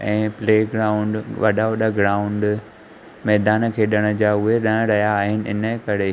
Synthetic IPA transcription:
ɛ̃ːpleːɡɾaːʊ̃ɳɖʋɐ̰ɗaɐɗəɡɾaːʊ̃ɳɖ | mɛːd̪aːnkʰeːɗɪɽ̃ə̆d͡ʑaːʊɦeɗɐ̃ɾɐɦjaːɦɪnɪ̆ɪ̰nəkɐɾe

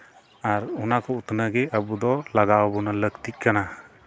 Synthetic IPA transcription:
aɾunakʰɔut̪nəɡɛəbud̪ɔlaɡawbɔnaləɡt̪ic̚ˀkana

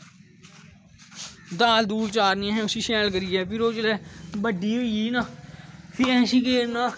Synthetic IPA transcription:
d̪aːld̪uːɽt͡ʃaːɾnɪẽːɦɛ̃ːʊsiːʃɛːlkəɾiːɛːpɪɾoːt͡ʃəlɛːbəɖiːoːiːnaːpiɛ̃ːʃiːkeːɾnaː

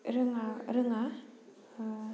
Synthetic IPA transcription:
ɾɯŋaɾɯŋa

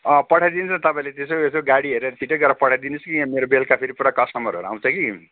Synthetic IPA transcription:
ʌpʌʈʰajd̪insʰt̪ʌpaĩlet̪esoesoɡaɽiʌɾuet͡sʰiʈeɡʌrɾapʌʈʰajd̪inʌskimeɾobelkapʰiɾipuɽakʌsʈʌmʌɾuɦʌ̰ɾuã̰w̃t͡sʰʌki

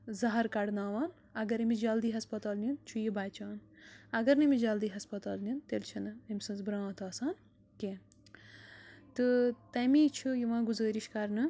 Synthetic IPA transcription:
zɐɦɐɾkɐɽnaːʋaːn | ɐɡɐɾimid͡ʒɐld̪iːɦɐspɐt̪aːlnint͡ʃʰujibaːt͡ʃaːnɐɡɐɾnɨmid͡ʒɐld̪iːɦɐspɐt̪aːlnint̪elt͡ʃʰinɨɐmʲsɨnzbɾãːt̪aːsaːn | kẽ | t̪ɨt̪ɐmiːt͡ʃʰujiʋãːɡuzəːɾiʃkɐɾnɨ

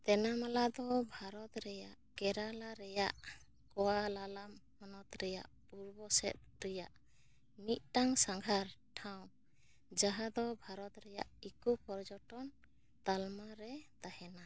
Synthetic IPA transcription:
t̪ɛnamalad̪ɔbʱaɾɔt̪ɾɛjaʔkɛɾalaɾɛjaʔ | kɔwalalamhɔnɔt̪ɾɛja̰ʔpuɾbɔsɛ̰t̪̚ɾɛjaʔ | mit̪̚ˀʈaŋsaŋɡʱaɾʈʰaw̃ | d͡ʒaɦad̪ɔbʱaɾɔt̪ɾɛja̰ʔikupɔɾd͡ʒɔʈɔn | t̪almaɾɛt̪ahɛna

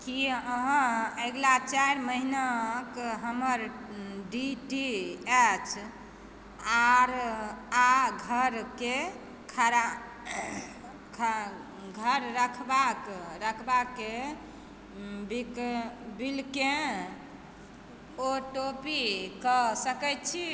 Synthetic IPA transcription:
kiəɦə̃eɡlat͡ʃaɾməɦinakɦəməɾɖiʈiɛt͡ʃʰ | aɾaɡʱəɾke | kʰaɾa | kʰ | ɡʱəɾɾəkʰbakɾəkʰbake | bikbilke | oʈopikəsəkɛt͡ʃʰi

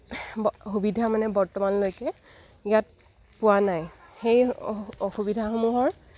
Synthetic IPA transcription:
xubidʱamanɛbɔɹtɔmanlojkɛ | ijat̚ | pʊwanaj | xejɔxubidʱaxomuɦɔɹ

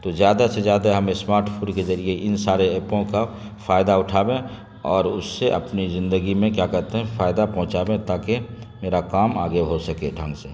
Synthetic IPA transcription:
t̪ozjaːd̪asezjaːd̪aɦɐmesmaːɾʈpʰuːnkezɐɾieʔɪnsaːɾeeːpõka | faːjd̪aʊʈʰaːbẽ | ɔːɾʊsːeʔɐ̰pnizɪ̃nd̪əɡimẽkjaːkɐɾt̪eɦɛ̃faːɪd̪apɐ̃ɦʊ̃t͡ʃaːbẽt̪aːke | meːɾakaːma̰ːɡeɦosɐkeɖʱə̃ŋɡse

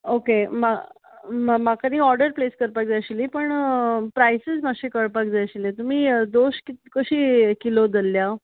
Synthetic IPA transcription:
okema | mmakaniːɔɾɖəɾpleskəɾpak̚d͡zaɕilipəɳpɾajsəd͡zmaɕekəɭpak̚d͡zajɕilẽt̪um̤iːd̪oɕkit̪kəɕiːkilod̪əlːja

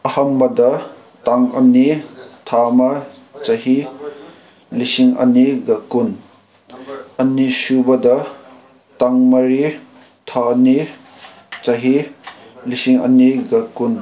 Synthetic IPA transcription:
ɐhɐmbɐdɐ | taŋɐ̰nitʰamɐ | t͡sɐɦi | lisiŋɐ̰niɡɐkun | ɐnisubɐd̪ɐ | taŋmɐɾi | tʰani | t͡sɐɦi | lisiŋɐ̰niɡɐkun

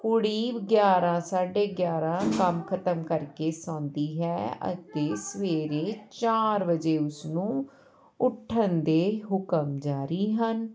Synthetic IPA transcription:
kʊɽiːbɡjaːɾãːsaːɖeːɡjaːɾãːkəmkʰət̪əmkəɾkeːsãːnd̪iːɦɛːə̰t̪eːsəʋeːɾeːt͡ʃaːɾʋəd͡ʒeːʊsnũː | ʊʈʰːənd̪eːɦʊkəmd͡ʒaːɾiːɦən

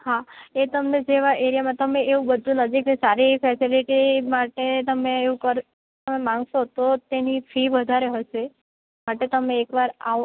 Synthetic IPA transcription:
hãet̪əmned͡ʒeʋaʔeɾijamãt̪əmeeʋũbəd̪ʱːũnəd͡ʒiknesaɾifɛsiliʈimaʈet̪əmeːʋũkəɾ | t̪əmemãŋɡʃot̪ot̪enifʰiʋəd̪ʱaɾeɦəʃe | maʈet̪əmeːkʋaɾa̰

